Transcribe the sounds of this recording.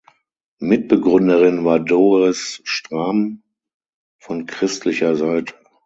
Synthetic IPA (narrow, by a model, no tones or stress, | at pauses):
mɪt̚b̥əɡʁʏndəʁɪnvaːɐdoːʁɛsʃtʁ̥aːm | fɔnkʁ̥ɪstlɪçɐzaɪtʰə̥